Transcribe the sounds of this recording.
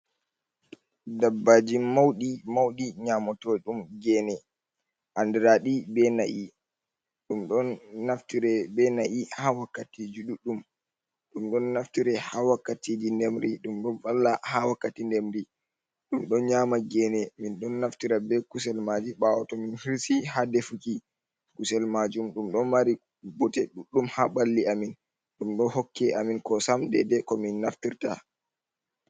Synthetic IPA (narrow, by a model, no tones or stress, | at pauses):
dabːad͡ʒimːawɗimawɗiɲamɔtɔɗumɡɛːnɛ | ʔandɛɾaɗibɛna̰ʔi | ɗumɗɔnːaftiɾɛbɛnaʔihawakːatid͡ʒuɗuɗum | ɗumɗɔnːaftiɾɛhawakːatid͡ʒindɛmɾiɗumɗɔnfalːahawakːatindɛmɾi | ɗumɗɔnɲaːmaɡɛnɛminɗɔnːaftiɾabɛkusɛlmad͡ʒiɓawɔtɔminhiɾsihadefuki | kusɛlmad͡ʒumɗumɗɔnmaɾi | bɔtɛɗuɗːumhaɓalːiamin | ɗumɗɔhɔkːɛaminkɔsamdɛdɛkɔminːaftiɾta̰